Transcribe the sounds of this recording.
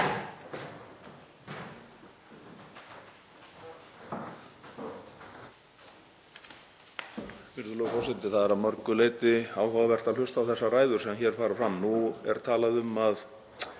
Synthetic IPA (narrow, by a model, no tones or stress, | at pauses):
vɪɾðʏlɔːkawsɪnt̪ɪθaðɛɾawmœɾkʏleːjt̪ɪaːwɦawvɛr̥t̪alʏst̪awθɛsːaraːjðʏɾ̥sɛmçɛɾ̥faːɾafɾamːnuɛ̰ɾ̥t̪ʰaːlaðʏmað